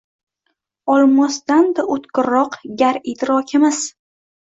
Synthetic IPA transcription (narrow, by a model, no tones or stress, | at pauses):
ɒlˠmɒsd̪and̪aʔʊt̪qʲɨɾɒqɡʲaɾit̪ɾɒkʲʰɪmɪz